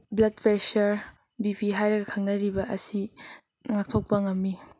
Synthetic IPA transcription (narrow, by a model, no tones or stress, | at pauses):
blɐd̚pɾesɐɾ | bipiɦajɾɐɡɐkʰɐŋnɐɾibɐʔɐsi | ŋak̚tʰok̚pɐŋɐmːi